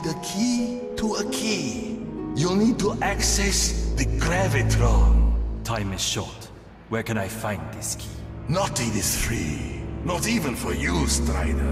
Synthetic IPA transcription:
dəkʰi | tʰuəkʰi | julnid̚tuʔaksɛsðəkɹɛvɪtɹõntʰãɪ̃mɪz̥ʃɔt | wɛkɛ̃ñaɪfãɪ̃ndðɪskʰinɔt̚ːidɪsθɹḭnɔtivə̃nfɔjustɹa̰ɪdə̰

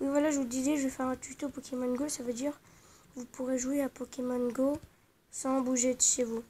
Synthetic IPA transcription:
wivwalaʒəvud̪ilɛʒəvɛfɛʁɛ̃t̪yt̪opɔkʲemɔnɡosavød̪iʁ | vupuʁeʒweapɔkʲemɔnɡo | sɑ̃buʒed̪əʃevu

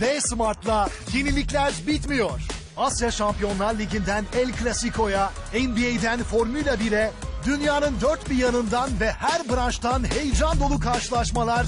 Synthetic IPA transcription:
bɛjsmaɾt̪lˠajenilʲiclʲæɾbit̪mijo̞ɾ̥ | asjaʃampijo̞nlˠaɾlʲiɟind̪ænɛlʲklʲasikʰo̞ja | ɛnbiejd̪ænfo̞ɾmylʲabiɾɛd̪ynjaːnɯnd̪øɾt̪̚bijanɯnd̪anvɛhæɾbɯɾant͡ʃt̪ʰanhejd͡ʒand̪o̞lˠukʰaɾʃɯlˠaʃmalˠaɾ

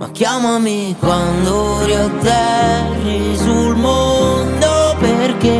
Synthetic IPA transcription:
mʔa̰kːjamami | kwand̪oɾiot̪ːɛ | rːi | sulmond̪operke

